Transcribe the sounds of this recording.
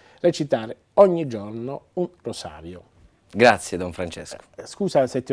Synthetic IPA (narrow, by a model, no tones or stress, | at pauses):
ret͡ʃit̪aːɾe | ɔɲːid͡ʒornounrosa̰ːɾjo | ɡɾat̪sjed̪ɔɱfɾant͡ʃɛ̰sko̥skuːsasɛt̪ːɪ